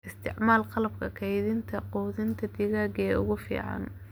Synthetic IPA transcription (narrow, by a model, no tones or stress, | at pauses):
ʔɪst̪ʰɪ̰ʕmaːlqɑlɐb̚kʰɐkʰɛjðɪnt̪ʰɐqɔːðɪnt̪ʰɐd̪ɪɣaːɡɛːʊ̰ɣʊfḭːʕɑ̰n